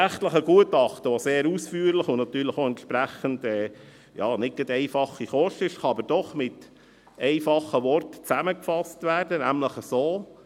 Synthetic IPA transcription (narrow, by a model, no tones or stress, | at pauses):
æχt̪ləχəɡuətɑχtəʋoseːɾusfyːəɾləχʊnnɑt̪yːɾləχoɛnt̪ʃpɾæχənd̥ɛː | jɑːnɪɡ̥ədɛɪfɑχiχɔʃtɪʃχɑɑbəɾd̥ɔχmɪt | ɛɪfɑχəʋɔrtə̥t͡sæməkfɑstʋæːɾdənæmləχəsoː